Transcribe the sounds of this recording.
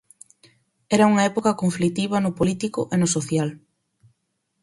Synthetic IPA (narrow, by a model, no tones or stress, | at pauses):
ɛɾɐuŋɐɛpokɐkoɱflit̪iβ̞ɐnʊpolit̪ikʊʔenʊsoθjal